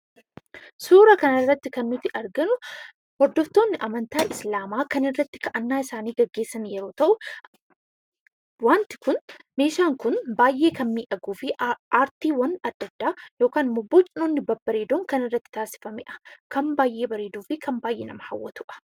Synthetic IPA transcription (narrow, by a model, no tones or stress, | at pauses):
suːɾɐkɐnɐrːɐt̪ːɪkɐnːʊt̪ɪʔɐɾɡɐnʊ | hɔɾd̪ːɔft̪o̞ːnːɪʔɐmɐnt̪aːʔɪslaːmaːkɐnɪrːɐt̪ːɪ̥kɐʔɐnːaːɪsaːniːɡɐɡːe̞ːsːɐnjɛɾo̞ːt̪ɐʔʊ | waːnt̪ɪ̥kʊnme̞ːʃaːŋkʊnbaːjʔe̞ːkɐnmiːʔɐɡuːfɪʔaːɾt̪iːwɐnɐd̪ːɐd̪̥ːaːjo̞ːkaːnmʊbːot͡ʃʼɪnoːnːɪbɐbɐɾeːd̪oːŋkɐnɪrːɐt̪ːɪ̥t̪aːsɪ̥fɐmɪ̰ʔɐ̥kɐmbaːjʔe̞ːbɐɾe̞ːd̪uːfɪkʰɐmbaːjʔḛːnɐmɐhɐwːɐt̪ʊʔɐ̥